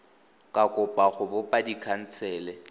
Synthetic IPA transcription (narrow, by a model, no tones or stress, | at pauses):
kʼakʼʊpʼaχʊbʊpʼadikʰan̩t͡sʰɛːlɛ